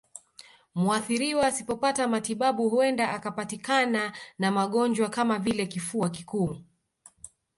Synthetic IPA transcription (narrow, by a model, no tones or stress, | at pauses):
muaθiɾiwaːsipɔpatamatiɓaɓuhuɛndaʔakapatikananamaɠɔnd͡ʒwakamavilɛkifuak̬ikuː